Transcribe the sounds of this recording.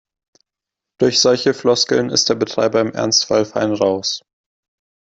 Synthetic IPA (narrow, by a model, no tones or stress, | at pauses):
d̥ʊɐçz̥ɔlçəflɔskl̩nɪ̰std̥eːɐbətʁ̥a̰ɪbɐɪmʔɛ̰ɐnstfalfaɪnʁaʊs